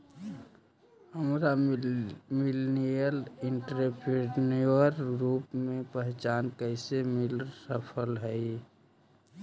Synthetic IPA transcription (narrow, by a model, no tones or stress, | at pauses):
ɦəmɾa | milnijəlɪɳʈɾepɾeɖniəɾɡɾuːpmẽpəɦt͡ʃaːnkəɪsemilsəpʰəlɦəi